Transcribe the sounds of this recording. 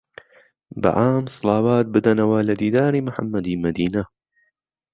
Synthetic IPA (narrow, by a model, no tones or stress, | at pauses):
bɪ̰ʔaːmsˤɨlɑːwaːt̪̚bɨd̪ɐnɐwaːlɐd̪iːd̪aːɾiːmʊħa̰mːɐd̪iːmɐd̪iːnɐ